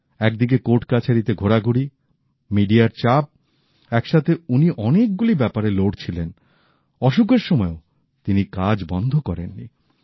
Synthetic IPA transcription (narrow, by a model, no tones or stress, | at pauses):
ɛk̚d̪ik̬ekoʈkat͡ɕʰaɾit̪eɡʱoɾaɡʱuɽi | miɖiaɾt͡ɕap̚ | ɛkʃat̪ʰeuniʔɔnek̚ɡulibɛpaɾeloɖt͡ɕʰilen | ɔʃuk̬eɾʃɔmɔeo | t̪inikad͡ʑbɔnd̪ʱokɔɾenːḭ